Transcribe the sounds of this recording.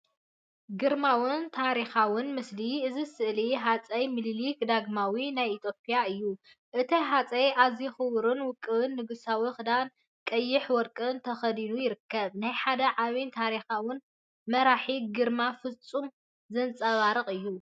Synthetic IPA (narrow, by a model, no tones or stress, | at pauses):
ɡɨɾmawɨnt̪ʰaɾixawʊnmɨsliʔɨzisɨʔliɦat͡sʼɐjmɨllikd̪aɡmawinajit̪ʰjopʰʼijaɨjːu | ʔɨt̪ʰiɦat͡sʼɐjʔazixɨwɾɨnwʊkʼːɨwɨnːɨɡɨsawixɨd̪an | kʼɐjːɪħwɔɾkʼɨnt̪ʰɐxɐd̪inujɪɾɨkʰːɐβnajħad̪ɐʕaβint̪ʰaɾixawʊn | mɐɾaħiɡɨɾmafɨt͡sʼːum | zɐnt͡sʼɐβaɾɨχʼɨjːu